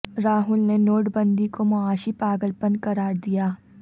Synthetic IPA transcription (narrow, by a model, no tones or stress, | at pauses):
ɾaːɦʊlnenoːʈbɐ̃nd̪ikomoaːʃipaːɡəlpənkɐɾaːɾd̪ijaː